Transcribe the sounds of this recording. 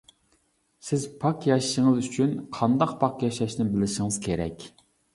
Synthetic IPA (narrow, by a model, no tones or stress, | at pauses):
sɪzpʰɑqjɑʃʃɪŋɨzyt͡ʃʰynqʰɑnd̪ɑqpʰɑqjɑʃɑʃnɪbɪlɪʃɪŋɨz̥kʲʰeɾɛ̰kʲ